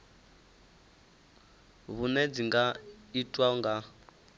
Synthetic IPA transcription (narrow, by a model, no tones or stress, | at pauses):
βunɛd͡ziŋɡaitʼwaɔŋɡa